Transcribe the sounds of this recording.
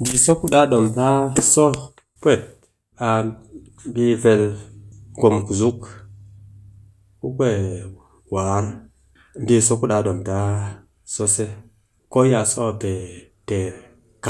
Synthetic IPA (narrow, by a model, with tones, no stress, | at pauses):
ndi˨so˦ku˦ɗa˦ɗo˨mta˦so˦ | pwe˦˨t̚ | a˨ | bi˦ve˨l | ɡo˨mku˨zu˦k | ku˦kʷe˦˨ | wa˨˦ɾ | ndi˦so˦ku˦ɗa˨˦ɗo˨mta˦ | so˦se˦ | ko˦ja˨so˦˨pe˨te˨ɾ | ka˨